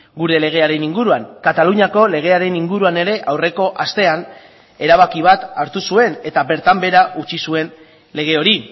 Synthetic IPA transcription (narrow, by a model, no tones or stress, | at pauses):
ɡuɾe̞le̞ɣ̞e̞aɾe̞niŋɡuɾuaŋkat̪aluɲako̞le̞ɣ̞e̞aɾe̞niŋɡuɾuane̞ɾe̞ʔawre̞ko̞ʔast̪e̞an | e̞ɾaβ̞akiβ̞at̪aɾt̪usue̞ne̞t̪abe̞ɾt̪ambe̞ɾaʔut͡ʃisue̞n | le̞ɣ̞e̞o̞ɾi